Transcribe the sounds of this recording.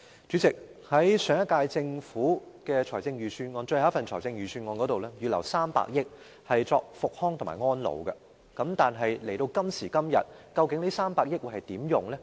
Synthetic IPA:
t͡ʃyː˨˥t͡sɪ˨k̚hɐ˨˥jsœː˨˧ŋjɐ˥t̚kːaː˧jt͡sɪ˧ŋfuː˨˥kɛː˧t͡ʃʰɔː˨˩jt͡sɪ˧ŋjyː˨sʰyː˧nŋɔː˧nt͡ʃɵ˧jha˨˧˦fɐ˨nt͡ʃʰɔː˨˩jt͡sɪ˧ŋjyː˨sʰyː˧nŋɔː˧nkɔː˨˥t̪o˨wlɛ˥jyː˨lɐ̰˨˩wsaː˥mpa̰ː˧˥k̚jɪ˥k̚ | hɐ˨jt͡sɔː˧k̚fʊ˨k̚hɔː˥ŋt̪ʰma̰ː˨˩jŋɔː˥nlo̰˨˧wɡɐ˧ | kɐ˨˥mt̪aː˨nɦɐ˨jle˨˩jt̪o˧wkɐ˥msiː˨˩kɐ˥mjɐ̰˨t̚kɐ˧wkɪ˨˥ŋniː˥saː˥mpaː˧k̚jɪ˥k̚wu˨˧jhɐ˨˩jt̪iː˨˥mjʊ˨ŋlɛ˥

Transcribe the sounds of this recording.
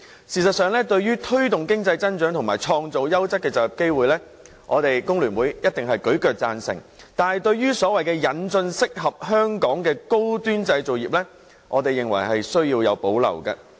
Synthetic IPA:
siː˨s̬ɐ˨t̚sœː˨ŋlɛː˥t̪ɵ˧ɥɥyː˥t̪ʰɵ˥ɥt̪ʊ˨ŋkɪ˥ŋt͡sɐ˧jt͡sɐ˥nt͡ʃœː˨˥ŋt̪ʰʊ˨˩ŋmaː˨˩jt͡ʃʰɔː˧ŋt͡so˨wjɐ˥wt͡sɐ˥k̚kɛː˧t͡sɐː˨kjɐ˨p̚ke˥jwuː˨jlɛː˥ | ŋʔɔː˨˧t̪e˨jkʊ˥ŋlyː˨˩nwuː˨˥jjɐ˥t̚t̪ɪ˨ŋɦɐ˨jkɵ˨˥ɥkœː˨˧k̚t͡saː˧nsɪ̰˨˩ŋt̪aː˨˧nhɐ˨jt̪ɵ˧ɥjyː˥sɔː˨˥wɐ˨jkɛː˧jɐ˨nt͡sɵ˧nsɪ˥k̚ɦɐ˨p̚ɦœː˥ŋkɔː˨˥ŋkɛː˧ko˥wt̪yː˥nt͡sɐ˧jt͡so˨wjiː˨p̚lɛː˥ | ʔɔː˨˧t̪e˨jːɪ˨˩ŋwɐ˨˩jhɐ˨jsɵ˥ɥjiː˧wjɐ˨˧wpo˨˥wlɐ̰˨˩wkɐ̰˧

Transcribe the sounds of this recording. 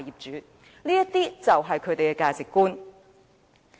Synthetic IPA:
jiː˨p̚t͡ʃyː˨˥ | niː˥jɐ˥t̚t̪iː˥t͡sɐ˨wɦɐ˨jkʰɵ˨˧ɥt̪e˨jkɛ˧˥kaː˧t͡sɪ˨kːuː˥n

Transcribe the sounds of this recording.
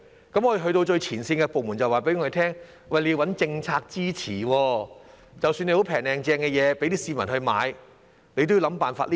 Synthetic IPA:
kɐ˨˥mŋɔː˨˧jɦɵ˧t̪̬o˧wt͡ʃɵ˧ɥt͡sʰiː˨˩nsiː˧nkɛː˧po˨wmu˨˩nt͡sɐ˨˩waː˨˩pe˨˥jŋɔ˧e˨˧t̪ʰɛː˥ŋ | wɐ˨˩le˧ji˧wɐ˨˥nt͡sɪ˧ŋt͡sʰaː˧k̚t͡siː˥t͡sʰiː˨˩wɔː˧ | t͡sɐ˨wsyː˧ne˧jho˨˥wpʰɛː˨˩ŋlɛː˨˩ŋt͡sɛː˧ŋkɛ˧jɛː˨˧pe˨˥jt̪iː˥siː˧mɐ˨˩nhɵ˧ɥma̰ː˨˧j | ne˧jt̪o˥jiː˨˧wlɐ˨˥mpaː˨˩nfa̰ː˧t̚li˦

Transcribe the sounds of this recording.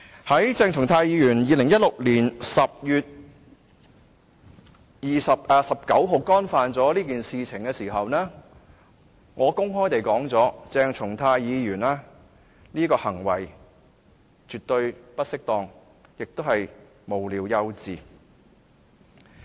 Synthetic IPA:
hɐ˨˥jt͡sɛː˧ŋt͡ʃʰʊ˨˩ŋt̪ʰaː˧jiː˨˧jyː˨˩njiː˨˧lɪ˨˩ŋjɐ˥t̚lʊ˨k̚liː˨˩nsɐ˨p̚jyː˨t̪̚ | jiː˨sɐ˨p̚ʔːsɐ˨p̚kɐ˨˥wɦo˨wkɔː˥nfaː˨nt͡sɔː˨˥liː˥k̬iː˨nsiː˨t͡sʰɪ˨˩ŋkɛː˧siː˨˩ɦɐ˨wnɛː˥ | ŋɔː˨˧kʊ˥ŋɦɔː˥jt̪e˨jkɔː˨˥ŋt͡sɔː˨˥t͡sɛː˧ŋt͡sʰʊ˨˩ŋt̪ʰaː˧jjiː˨˧jyː˨˩nɛː˥ | niː˥kɔː˧hɐ˨˩ŋwɐ̰˨˩j | t͡ʃyː˨t̪ɵ˧ɥpɐ˥t̚sɪ˥k̚t̪ɔː˧ŋ | jɪ˨k̚t̪o˥whɐ˨j | mo˨˩wliː˨˧wjɐ˧wt͡siː˨

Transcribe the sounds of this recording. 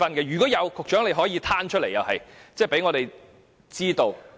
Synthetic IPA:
ɐ˨˧nkɛː˧ɥyː˨˩kɔː˨˥jɐ˨˧wkʰʊ˨k̚t͡ʃœː˨˥ŋle˨˧jɦɔː˨˥jiː˧t̪ʰaː˥nt͡ʃʰɵ˥t̚le˨˩jɐ˨whɐ˨jt͡sɛː˥˩pe˨˥jŋɔ˨˧ɾe˨j | t͡siː˥t̪o˧w

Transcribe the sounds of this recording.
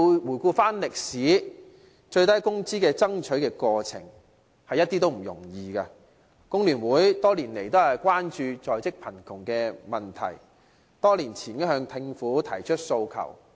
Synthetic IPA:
wuː˨˩jkuː˧faː˥nlɪ˨k̚siː˨˥ | t͡ʃɵ˧ɥt̪ɐ˥jkʊ˥ŋt͡siː˥kɛː˧t͡sɐ˥ŋt͡ʃʰɵ˨˥ɥkɛː˧kɔː˧t͡sʰɪ̰˨˩ŋ | hɐ˨jːɐ˥t̪̚ːiː˥t̪o˥wm̩˨˩jʊ̰˨˩ŋjiː˨kaː˧ | kʊ˥ŋlyː˨˩nwuː˨˥jt̪ɔː˥liː˨˩nle˨˩jt̪o˥whɐ˨˩jkʷaː˥nt͡ʃyː˧t͡sɔː˨˩jt͡sɪ˥k̚pʰɐ˨˩nkʰʊ˨˩ŋkɛː˧mɐ˨nt̪ʰɐ̰˨˩j | t̪ɔː˥liː˨˩nt͡sʰiː˨˩njɐ˥hœː˧ŋt̪ʰɪ˧ŋfuː˨˥t̪ʰɐ˨˩jt͡ʃʰɵ˥t̚so˧wkʰɐ̰˨˩w

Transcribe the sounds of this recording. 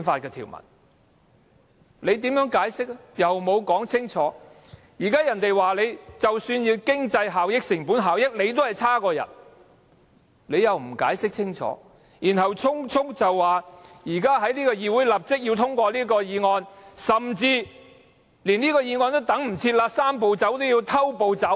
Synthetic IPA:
nfaː˧t̚kɛː˧t̪ʰḭː˨˩wmɐ̰˨˩n | le˨˧jt̪̬iː˨˥mjœː˨˥ŋkaː˨˥jsɪ˥k̚jɐ˨wmo˨˧wkɔː˨˥ŋt͡sʰɪ˥ŋt͡ʃʰɔː˨˥ | jiː˨˩kaː˥jɐ˨˩nt̪e˨jwaː˨le˨˧jt͡sɐ˨wsyː˧njiː˧wkɪ˥ŋt͡sɐ˧jɦaː˨˩wjɪ˥k̚sɪ˨˩ŋpu˨˥nɦaː˨wjɪ˥k̚le˨˧jt̪̬o˥hɐ˨˩jt͡sʰaː˥kɔː˧jɐ̰˨t̚ | le˨˧jjɐ˨wm̩˨˩ka̰ː˨˥jsɪ˥k̚t͡sʰɪ˥ŋt͡ʃʰɔ̰ː˨˥ | jiː˨˩nhɐ˨˩wt͡sʰʊ˥ŋt͡sʰʊ˥k̚t͡sɐ˨wːaː˨jiː˨˩kaː˥ɦɐ˨˥jliː˥kɔː˧jiː˧wuː˨˥jlɐ˨p̚t͡sɪ˥k̚jiː˧wt̪ʰʊ˥ŋkʷɔː˧liː˥kɔː˧jiː˨˧ŋɔː˧nsɐ˨˩mt͡siː˧ | liː˨˩niː˥kɔː˧jiː˨˧ŋɔː˧nt̪o˥wt̪ɐ˨˥ŋm̩˨˩t͡sʰiː˧t̚laː˧saː˥mpo˨wt͡sɐ˨˥wt̪o˥wjiː˧wt̪ʰɐ˥wpo˨wt͡sɐ˨˥w

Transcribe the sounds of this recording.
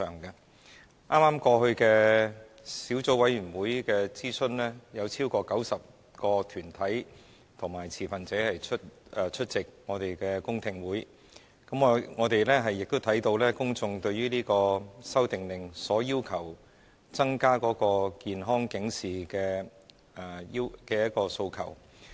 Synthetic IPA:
œː˨˩ŋkɐ˧ | ʔaː˥maː˥mkɔː˧hɵ˧ɥkɛː˧ | siː˨˥wt͡so˨˥wɐ˨˥jɥyː˨˩nwuː˨˥jkɛː˧t͡siː˥sɵ˥nlɛː˥jɐ˨˧wt͡sʰiː˥wkɔː˧kɐ˨˥wsɐ˨p̚ | kɔː˧t̪ʰyː˨˩nt̪ʰɐ˨˥j | t̪ʰʊ˨˩ŋmaː˨˩jt͡sʰiː˨˩fɐ˨nt͡sɛː˨˥hɐ˨jt͡ʃʰɵ˥t̚ɛ˧t͡ʃʰɵ˥t̚t͡sɪ˨k̚ŋɔː˨˧t̪e˨jkɛː˧kʊ˥ŋt̪ʰɪ˨ŋwuː˨˥j | kɐ˨˥mɔ˨˧ŋɔː˨˧t̪e˨jlɛː˥ɦɐ˨jːɪ˨k̚t̪o˥wt̪ʰɐ˨˥jt̪o˧wlɛː˥kʊ˥ŋt͡sʊ˧ŋt̪ɵ˧ɥyː˥liː˥kɔː˧sɐ˥wt̪ɪ˨ŋlɪ˨˩ŋsɔː˨˥jiː˥wkʰɐ˨˩w | t͡sɐ˥ŋkaː˥kɔː˨˥kɔː˧kiː˨nɦɔː˥ŋkɪ˨˧˥ŋsiː˨kɛː˧ | ɛ˨˩ji˥kɛː˧jɐ˥t̚kɔː˧so˧wkʰɐ̰˨˩w

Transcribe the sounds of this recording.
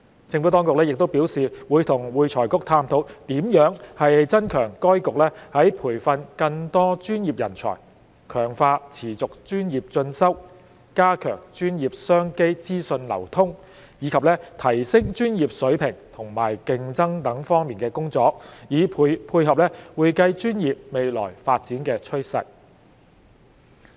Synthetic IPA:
t͡sɪ˧ŋfu˨˥t̪ɔː˥ŋkʊ˨k̚lɛː˥jɪ˨k̚t̪o˥wpiː˨˥wsiː˨wuː˨˧jt̪ʰʊ˨˩ŋwuː˨jt͡sʰɔː˨˩jkʊ˥k̚t̪ʰaː˧mt̪ʰo˨˥wt̪iː˨˥mjœː˨˥ŋhɐ˨jt͡sɐ˥nkʰœː˨˩ŋkɔː˥jkʊ˨k̚lɛː˥hɐ˨˥jpʰuː˨˩jfɐ˧nkɐ˧ŋt̪ɔː˥t͡ʃyː˥njiː˨p̚jɐ̰˨˩nt͡ʃʰɔ̰ː˨˩j | kʰœː˨˩ŋfaː˧t͡sʰiː˨˩t͡sʊ˨k̚t͡ʃyː˥njiː˨p̚t͡ʃɵ˧nsɐ˥w | kaː˥kʰœ̰ː˨˩ŋt͡ʃyː˥njiː˨p̚sœː˥ŋke˥jt͡siː˥sɵ˧nlɐ̰˨˩wt̪ʰʊ˥ŋ | jiː˨˧kʰɐ˨p̚lɛː˥t̪ʰɐ˨˩jsɪ˥ŋt͡ʃyː˥njiː˨p̚sɵ˨˥ɥpʰɪ˨˩ŋt̪ʰʊ˨˩ŋmaː˨˩jkɪ˧ŋt͡sɐ˥ŋt̪ɐ˨˥ŋfɔː˥ŋmiː˨nkɛː˧kʊ˥ŋt͡sɔː˨˧k̚jiː˨˧pʰuː˧jɦɐ˨p̚lɛ˥wuː˨˧jkɐ˧jt͡ʃyː˥njiː˨p̚me˨jlɔ̰ː˨˩jfaː˧t̚t͡siː˨˥nkɛː˧t͡ʃʰɵ˥ɥsɐ̰˨k̚

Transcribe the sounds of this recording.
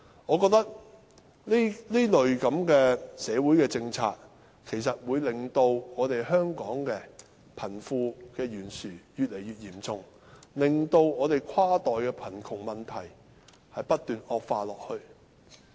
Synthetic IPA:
ŋɔː˨˧kɔ˧k̚t̪ɐ˥k̚ | li˥liː˥lɵ˨ɥkɐ˨˥mkɛː˧sɛː˨˧wuː˨˥jkɛː˧t͡sɪ˧ŋt͡sʰa̰ː˧t̚ | kʰe˨˩jsɐ˨t̚wuː˨˧jlɪ˨˩ŋt̪o˧wŋɔː˨˧t̪e˨jɦœː˥ŋkɔː˨˥ŋkɛː˧ | pʰɐ˨˩nfuː˧kɛː˧jyː˨˩nsyː˨˩jyː˨t̚le˨˩jɥyː˨t̚jiː˨˩mt͡sʊ˨˧ŋ | lɪ˨ŋt̪o˧wɔː˨˧t̪e˨jkʰaː˥t̪ɔː˨jkɛː˧pʰɐ˨˩nkʰʊ˨˩ŋmɐ˨nt̪ʰɐ˨˩j | hɐ˨jpɐ˥t̚t̪yː˨nɔː˧k̚faː˧lɔː˨k̚hɵ˧ɥ

